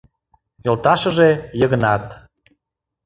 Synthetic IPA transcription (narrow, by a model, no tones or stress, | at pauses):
jɤlt̪ɑʃə̆ʒejəɣə̆nɑt̪